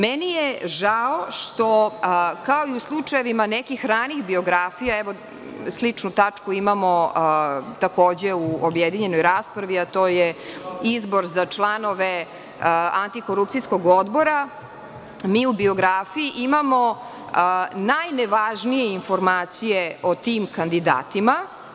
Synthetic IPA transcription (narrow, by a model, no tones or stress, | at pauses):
mɛnijeʒaoʂt̪okao̞iuslˠut͡ʂajeʋimanɛkixɾaːnixbio̞ɡɾaːfijaɛʋo | slˠit͡ʂnut̪at͡ʂkuimamo | t̪akoːd͡ʑeuobjed̪iɲe̞no̞jɾaːspɾaʋiat̪oːjeizbo̞ɾzat͡ʂlˠano̞ʋe | ant̪iko̞ɾup̚t̪sisko̞ɡod̪bo̞ɾa | miːubio̞ɡɾaːfijiʔimamo̞ | najneʋaʒnijeinfo̞ɾmaːt̪sijeo̞t̪iːmkand̪id̪a̰ːt̪ima